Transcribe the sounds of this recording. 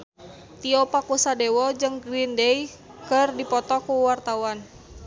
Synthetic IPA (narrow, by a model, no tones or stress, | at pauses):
t̪iɔpakusadɛwɔd͡ʒɨŋɡɾindɛj | kərdipɔt̪ɔkuwart̪awan